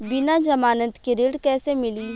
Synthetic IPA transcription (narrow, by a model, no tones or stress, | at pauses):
bɪnad͡ʒɐmaːnət̪kiɾeɽkɛːsemɪliː